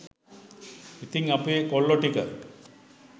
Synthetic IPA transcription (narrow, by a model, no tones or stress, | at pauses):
it̪iŋapuekolːoʈika̰ɾ